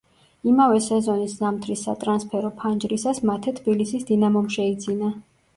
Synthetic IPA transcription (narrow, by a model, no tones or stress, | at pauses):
imavɛsɛzɔniszamt̪ʰɾisːa̰t̪ʼɾanspʰɛɾɔpʰand͡ʒɾisasmat̪ʰɛt̪ʰbilisisd̪inamɔmʃɛid̪zina